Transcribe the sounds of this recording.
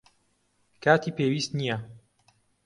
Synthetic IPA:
kaːt̪iːpeːwiːst̪nijɛ

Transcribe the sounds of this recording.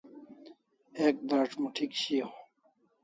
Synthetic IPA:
ek̚b̪aːʈ͡ʂmuʈʰikɕijo

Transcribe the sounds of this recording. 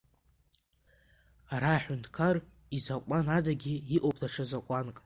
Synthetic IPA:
aɾaːħʊntʰʼkʰar | izakʷʼanadaɡʲiiʔʼopʰʼdaʈ͡ʂʰɨzakʷʼankʼ

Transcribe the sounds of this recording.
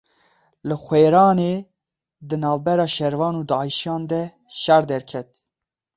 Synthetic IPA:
lɨxʷeːɾɑːneː | d̪ɨnɑːvbɛɾɑːʃɛɾvɑːnuːd̪ɑːiʃijɑːnd̪ɛ | ʃæɾd̪ɛɾkʰɛt̪

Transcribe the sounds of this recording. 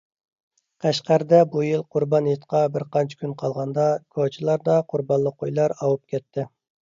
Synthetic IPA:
qʰæʃqæɾd̪ɛbujilˠqʰʊɾbɑnjet̪qʰɑbɪɾqɑnt͡ʃʰi̥kʲʰynqʰɑlˠʁɑnd̪ɑkʰot͡ʃʰilˠɑɾd̪ɑqʰʊɾbɑnlˠəqʰːojlˠɑɾɑwup̚kʲɛt̪ʰːɪ

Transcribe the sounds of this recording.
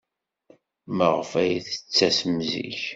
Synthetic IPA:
məʁfæjiθə̥t͡sːæsəmzḭç

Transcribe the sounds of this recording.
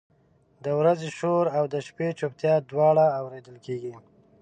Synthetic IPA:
d̪əwɾazeʃoɾawd̪əʃpet͡ʃopt̪jɑd̪wɑɽaːwɾed̪əlkeɡi

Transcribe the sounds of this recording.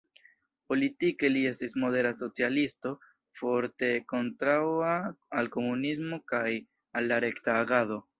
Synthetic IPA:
po̞litike̞lie̞stismo̞de̞ɾaso̞t͡sialisto̞ | fo̞ɾte̞ko̞ntɾawaːlko̞munis̬mo̞kaj | alːaɾe̞ktaːɡado̞

